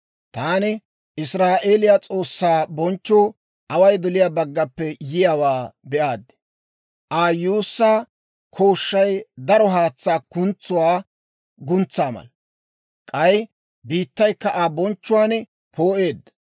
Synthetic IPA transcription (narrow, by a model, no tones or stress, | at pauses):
t̪aːnɪ | ʔɪsɾaːʔeːlɪjat͡sʼo̞ːsːaːbɔnt͡ʃːoː | ʔɐwɐjd̪ɔlɪjaːbɐɡːɐpːɛjɪjaːwaːbɛʔaːd̪ɪ̥ | ʔaːjuːsːaː | kʰoːʃːɐjd̪ɐɾɔɦaːt͡sːaːkʊnt͡sːʊwaː | ɡʊnt͡sːaːmɐ̰l | kʼɐj | biːt̪ːɐjkːɐʔabɔnt͡ʃːʊwaːn | poːʔe̞ːd̪ːɐ